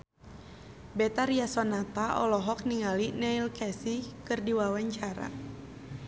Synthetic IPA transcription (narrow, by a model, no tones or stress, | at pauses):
bɛt̪aɾiasɔnat̪aʔɔ̰lɔɦɔk̚niŋalinɛilkɛsikɨrdiwawaɲt͡ʃaɾa̰